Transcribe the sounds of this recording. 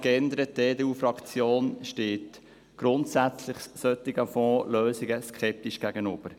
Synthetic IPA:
kɛnd̪əɾət̚deːdeːuːfɾɑkt͡sjoːnʃteːt | ɡ̥ɾʊnt̪sæt͡slɪχssœt̪ːɪɡəfɔːløːsɪɡəskχɛp̚tiʃɡ̥æɡ̥ənʏb̥əɾ

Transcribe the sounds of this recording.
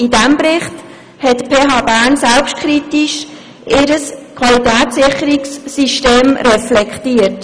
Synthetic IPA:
idæmbɾɪχt | hɛtpʰeːɦɑːbæːɾnsɛlpʃtkʰχɾitiʃ | ʔɪːɾəskʰwɑlitæːt̪sɪχːəɾiksːiʃteːmɾɛflɛkχtiːət

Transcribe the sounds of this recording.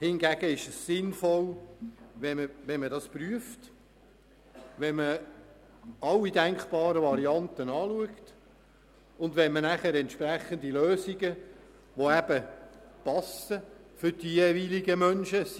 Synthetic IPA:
hɪnɡæɡəɪʃəssɪnfɔl | ʋɛməʋɛnmədɑspryəft | ʋɛnmə | ʔɑlːidæŋkχb̥ɑːɾəʋɑɾiɑntənɑːluəkt | ʊndʋɛnmənæχəɾɛntʃpɾæχəndiløːsiɡə | ʋoæb̥əpɑsəfʏɾd̥ijeːviliɡəmœnʃə

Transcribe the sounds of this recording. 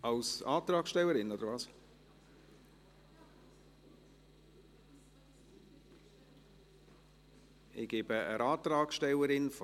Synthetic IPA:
ɑlsɑːt̪ɾɑːksʃtɛləɾɪnodəɾvɑːs | ɪɡ̥ebəə̰ɾʔɑːt̪ɾɑːksʃtɛləɾɪnf

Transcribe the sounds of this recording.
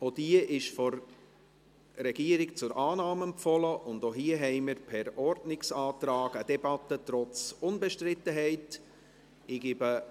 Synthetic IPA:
od̥iəʔɪʃfɔr | ɾɛɡ̥iəɾɪkt͡sʊɾʔɑːnɑːmɛmfɔləʔʊndoɦiəɦɛɪməɾpʰɛɾɔrdnɪksɑːtɾɑːɡədɛbɑtːətɾɔt͡sʊnbɛʃtɾɪtːəɦɛɪt | ɪɡ̥iːbə

